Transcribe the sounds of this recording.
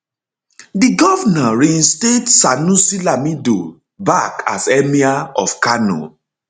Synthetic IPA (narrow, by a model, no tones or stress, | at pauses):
diɡɔvanaɹinstetsanũsilamido̰ | bakʰa̰sɛmiaɔ̰fkanɔ̰